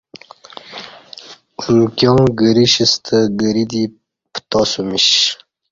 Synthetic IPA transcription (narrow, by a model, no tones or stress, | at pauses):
umkjõwɡəɾiɕist̪ʰəɡəɾid̪i | pt̪osumiɕ